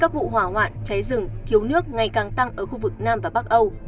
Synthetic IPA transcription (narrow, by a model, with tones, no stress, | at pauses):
kaː˦˥k̚vṵ˧˨ɦwaː˧˩hwa̰ː˧˨nt͡ɕa˨˦jzɨ˨˧˩ŋt̪ʰi˨˦əwnɨ˦˥ək̚ŋa˨˩jkaː˨˩ŋt̪a˧ŋʔəː˧˩xu˧vɨ˨˩k̚naː˧mvaː˨˩ɓa˦˥k̚ʔə˧w